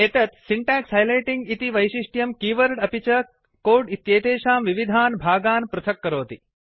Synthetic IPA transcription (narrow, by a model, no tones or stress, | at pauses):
et̪ɐt̪siɳʈæːkshɐjleːʈiŋɡit̪iʋɐjʃiʂʈjɐmkiːʋɐɾɖɐpit͡ʃɐ | koːɖit̪jeːt̪eːʃaːmʋiʋid̪ʱaːnbʱaːɡaːnpɾɐt̪ʰɐkːɐɾoːt̪i